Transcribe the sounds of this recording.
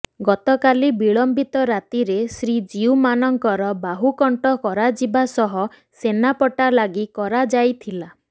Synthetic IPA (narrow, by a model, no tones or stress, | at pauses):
ɡɔt̪ɔkalibiɭɔmbit̪ɔɾat̪iɾesɾid͡ʒiumanɔŋkɔɾɔbaɦukɔɳʈɔkɔɾad͡ʒibasɔɦɔ | senapɔʈalaɡikɔɾad͡ʒajt̪ʰila